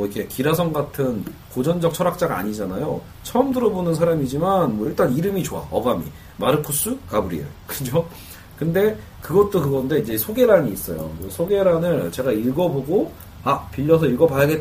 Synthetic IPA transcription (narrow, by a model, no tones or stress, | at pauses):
ʌikʰe̞kiɾas̬ʰʌŋɡatʰɯnkod͡ʑʌnd͡ʑʌk̚t͡ɕʰʌɾak̚t͡ɕ͈aɡaa̰ɲid͡ʑanajo | t͡ɕʰʌʌmdɯɾʌbonɯnsʰaɾamid͡ʑimanmwʌiɭt͈aniɾɯmit͡ɕoa̰ʌ̰bamḭ | maɾɯkʰus͈ukabɯɾḭḛɭkɯd͡ʑo | kɯnde̞ | kɯɡʌt̚t͈okɯɡʌnde̞id͡ʑe̞sʰoɡe̞ɾaɲiːs͈ʌ̰jo̰osʰoɡe̞ɾanɯɭt͡ɕe̞ɡaiɭɡʌboɡo | apiʎːʌs̬ʰʌiɭɡʌpajaɡet